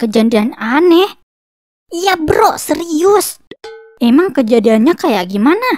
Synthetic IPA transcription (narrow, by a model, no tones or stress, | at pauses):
kəd͡ʒandiananɛh | ijabəɾɔʔsəɾiʊs | emaŋkəd͡ʒadianɲakajaʔɡimana